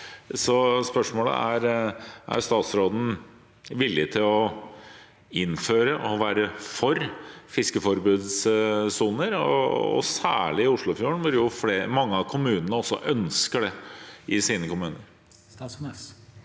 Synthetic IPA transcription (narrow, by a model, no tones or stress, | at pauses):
sɔspœʂmoːlə̰æɾʔæ̰jst̪ɑːt̪sɾoːd̪n̩ | ʋɪlːɪt̪ʰɪlɔ | ɪnføːɾəʔɔʋæːɾəfɔɾfɪskəfɔɾbʉːd̪ssuːnəɾɔ̰ːsæ̰ːɭɪɪʊʂɭʊfjuːəɳʋʊɾjʊfleːmɑŋːəɑʋkʰʊmʉːnənəɔsːɔ̰ʔœnskəɖɛʔɪsiːnəkʊmʉːnəɾ